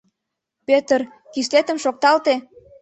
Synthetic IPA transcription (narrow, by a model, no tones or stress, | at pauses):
pet̪ər | kis̬let̪ə̆mʃok̚t̪ɑlt̪e